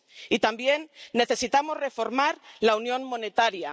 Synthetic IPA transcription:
it̪ambje̞nːe̞θe̞sit̪amo̞zre̞fo̞ɾmaɾlaunjõ̞nmo̞ne̞t̪aɾja

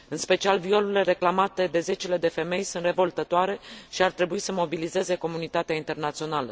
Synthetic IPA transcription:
ɨnspe̞t͡ʃialvio̞luile̞ɾe̞klamat̪e̞d̪e̞ze̞t͡ʃele̞d̪e̞fe̞me̞jsunt̪re̞vo̞lt̪ət̪oaɾe̞ʃiart̪ɾe̞buisəmo̞bilize̞ze̞ko̞munit̪at̪eaint̪e̞rnat̪sio̞nalə̰

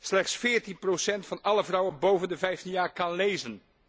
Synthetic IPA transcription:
slɛχtsfɪːɹtinprosɛntfɑnɑləvrɔwənbowvəndəvɛjftinjaːɹkɑnlejzən

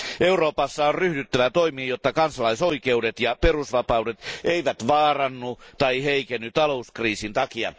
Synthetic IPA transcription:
ʔeuroːpɑsːɑorryhdyt̪ːæʋæt̪oimiːjot̪ːɑkɑnsɑlɑisoikeudet̪jɑperusʋɑpɑudet̪ʔeiʋæt̪ʋɑːrɑnːut̪ɑiheikenːyt̪ɑlouskriːsint̪ɑkiɑ̰

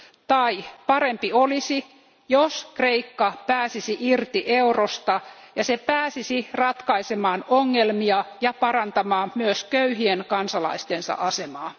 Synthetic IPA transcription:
t̪ɑipɑɾempiolisi | joskreikːɑpæːsisiʔirt̪iʔeurost̪ɑjɑsepæːsisirɑt̪kɑisemɑːnoŋːelmiɑjɑpɑrɑnt̪ɑmɑːmmyøskøyɦienkɑnsɑlɑ̰ist̪ensɑ̰ʔɑsemɑː

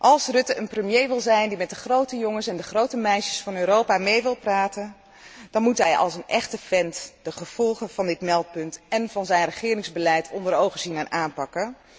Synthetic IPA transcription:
ʔɑlˠsrɵtəʔənprəmjejʋɪlˠzɛjndimɛt̚dəχrowtəjɔŋəsɛndəχrowtəmɛjʃə̥sfɑnøːɾowpamejʋɪlˠpraːtən | d̥ɑnmutɦɛjɑ̰lˠsənʔɛχtəfɛntd̥əχəv̥ɔlˠχəv̥ɑndɪtmɛlˠt̚pɵntɛnvɑnzɛjnrəχɪːɾɪŋzbəlɛjtʰɔndəɾowχəzinɛnaːnpɑkən

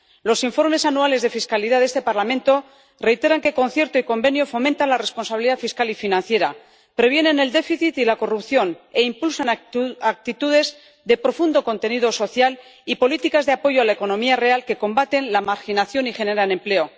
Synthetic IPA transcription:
lo̞siɱfo̞ɾme̞sanuale̞zðe̞fiskaliðaðe̞st̪e̞paɾlamẽ̞nt̪o̞ | re̞jt̪e̞ɾaŋke̞ko̞nθje̞ɾt̪oiko̞mbe̞njo̞fo̞mẽnt̪anlare̞spo̞nsaβiliðafiskalifinãnθje̞ɾa | pɾe̞β̞je̞nẽ̞ne̞ld̪e̞fiθit̪ilako̞rupθjo̞ne̞impulsanak̚t̪it̪uðe̞z | ðe̞pɾo̞fund̪o̞ko̞nt̪e̞niðo̞so̞θjal | ipo̞lit̪ikazðeapo̞ʝoalaeko̞nõ̞miare̞alke̞ko̞mbat̪e̞nlamaɾxinaθjo̞nixe̞ne̞ɾanẽ̞mple̞o̞

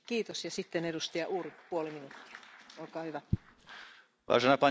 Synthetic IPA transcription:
kiːt̪osjɑsit̪ːenedust̪ɑjɑʔuːripuoliminut̪ːi̥ɑ̥olkɑːhyʋæ | ʋɑ̰sɑnɑpɑn

